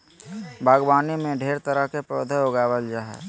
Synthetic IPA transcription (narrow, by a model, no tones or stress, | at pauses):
bʱaːɡwaːnimẽɖʱeːɾt̪əɾəɦkepɾoːd̪ʱəoɡaːwəld͡ʒaɦɛ̰ː